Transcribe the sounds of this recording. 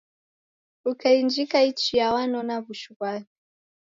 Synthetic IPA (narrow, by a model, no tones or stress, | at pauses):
ukaind͡ʒikait͡ʃijawanɔnaβuʃuβaki